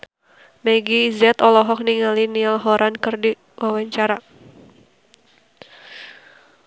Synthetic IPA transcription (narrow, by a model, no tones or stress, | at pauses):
mɛɡizɛt̪ɔlɔɦɔk̚niŋalinilɦɔɾʔankɨrdi | wawaɲt͡ʃaɾa